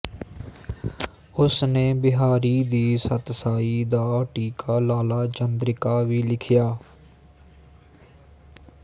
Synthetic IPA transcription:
ʊsneːbɪɦaːɾiːd̪iːsət̪saːiːd̪aːʈiːkʰaːlaːlaːd͡ʒənd̪ɾɪkaːʋiːlɪkʰɪjaː

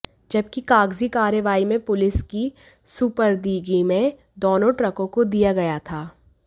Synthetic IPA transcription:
d͡ʒɐb̚kikaːɡzikaːɾəʋaːimẽpʊlɪski | suːpəɾd̪iːɡimẽ | d̪oːnõʈɾəkõkod̪ijaɡɐjat̪ʰaː

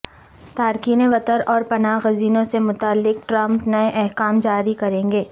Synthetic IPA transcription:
t̪aːɾkiːneʋɐt̪əɾʔɔːɾpɐnaːɣɐziːnõsemʊt̪aːlːɪk̚ʈɾɐ̃mpnɐeʔɛɦkaːmd͡ʒaːɾikɐɾẽːŋɡeː

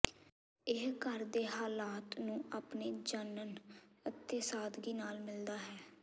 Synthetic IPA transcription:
ɪɦkəɾd̪eːɦaːlaːt̪nũːʔapneːd͡ʒənənət̪ːeːsaːd̪ɡiːnaːlmɪld̪aːɦɛː

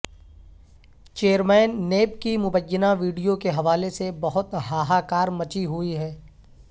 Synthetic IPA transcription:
t͡ʃeːəɾmɛːnːeːpkimʊbəjːənaʋiːɖijokeɦɐʋaːlesebɐɦʊt̪ɦaːɦaːkaːɾmɐt͡ʃiɦʊiɦɛː

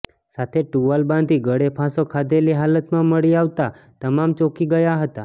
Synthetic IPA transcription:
sat̪ʰeʈuʋalbãnd̪ʱiːɡəɽepʰasokʰad̪eliɦalət̪mãməɽiaʋt̪a | t̪əmamt͡ʃokiɡəjaɦət̪a

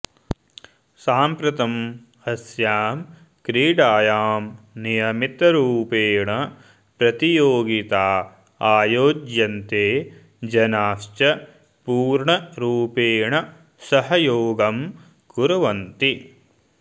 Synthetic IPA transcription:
saːmpɾɐt̪ɐm | ɐsjaːm | kɾiːɖaːjaːmnijɐmit̪ɐɾuːpeːɳɐ | pɾɐt̪ijoːɡit̪aː | aːjoːd͡ʒjɐnt̪eː | d͡ʒɐnaːʃt͡ʃɐ | puːɾɳɐɾuːpeːɳɐ | sɐɦɐjoːɡɐm | kuɾɐʋɐnt̪i

